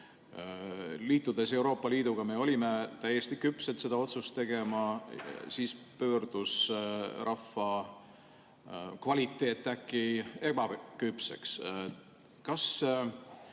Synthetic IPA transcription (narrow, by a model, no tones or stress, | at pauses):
liːt̪ːˑud̪̥e̞se̞uwɾo̞ːpːˑɑliːd̪̥uɡɑme̞o̞lʲime̞t̪æjːest̪ikypset̪se̞d̪̥ɑo̞t̪sust̪e̞ɡ̥e̞mɑsiːspø̞ːrd̪̥usrʔɑfːɑ | kvɑlit̪ːˑe̞ːt̪ːˑækːˑie̞bɑkypsḛks | kɑs